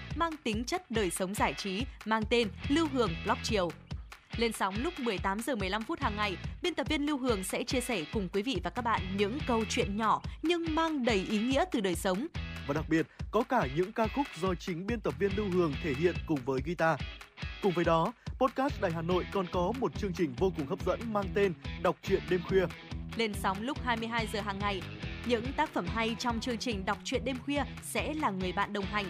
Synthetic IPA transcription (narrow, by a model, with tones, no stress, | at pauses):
maː˧ŋt̪ï˨˦ŋ̟t͡ɕə˦˥t̚ɗəː˨˩jsə˨˦wŋ͡mzaː˧˩jt͡ɕi˨˦maː˧ŋt̪e˧nli˧wɦɨ˧˩əŋlɔ˦˥p̚t͡ɕi˨˩əwle˧nsa˨˦wŋ͡mlʊ˦˥k͡p̚mɨ˨˩əjt̪aː˨˦mzəː˨˩mɨ˨˩əjla˧mfu˦˥t̚haː˨˩ŋːa˨˩jɓi˧ənt̪ə˨˩p̚vi˧ənli˧wɦɨ˨˩əŋsɛ̰˧˥t͡ɕi˧əsɛ˧˩kʊ˨˩ŋ͡mkwi˨˦vḭ˧˨vaː˨˩ka˦˥k̚ɓa̰ː˧˨nɲɨ̰˧˥ŋkə˧wt͡ɕwḭ˧˨ənɲɔ˧˩ɲɨ˧ŋmaː˧ŋɗə˧˩jʔi˨˦ŋḭ˧˥ət̪ɨ˨˩ɗəː˨˩jsə˨˦wŋ͡mvaː˨˩ɗa˨˩k̚ɓi˨˩ət̚kɔ˨˦kaː˧˩ɲɨ̰˧˥ŋkaː˧xʊ˦˥k͡p̚zɔ˧t͡ɕï˨˦ŋ̟ɓi˧ənt̪ə˨˩p̚vi˧ənlɨ˧wɦɨ˨˩əŋt̪ʰe˧˩ɦḭ˧˨ənkʊ˨˩ŋ͡mvəː˨˦jɣi˧t̪aː˧kʊ˨˩ŋ͡mvəː˨˦jɗɔ˨˦po˦˥t̚kaː˦˥st̚ɗaː˨˩jɦaː˨˩no̰˧˨jkɔ˨˩nkɔ˨˦mo˨˩t̚t͡ɕɨ˧əŋt͡ɕï˨˩ŋ̟vo˧kʊ˨˩ŋhɦə˦˥p̚z̥ə̰˧˥nmaː˧ŋt̪e˧nɗa˨˩wk͡p̚t͡ɕwḭ˧˨ənɗe˧mxwi˧ə | le˧nsa˨˦wŋ͡mlʊ˦˥k͡p̚haː˧jmɨ˧əjɦaː˧jzəː˨˩ɦaː˨˩ŋːa˨˩jɲɨ̰˧˥ŋt̪aː˦˥k̚fə˧˩mɦa˧jt͡ɕɔ˧wŋ͡mt͡ɕɨ˧əŋt͡ɕï˨˩ŋ̟ɗa˨˩wk͡p̚t͡ɕwḭ˧˨ənɗe˧mxwi˧əsɛ̰˧˥laː˨˩ŋɨ˨˩əjɓa̰ː˧˨nɗə˨˩wŋ͡mɦa˨˩jŋ̟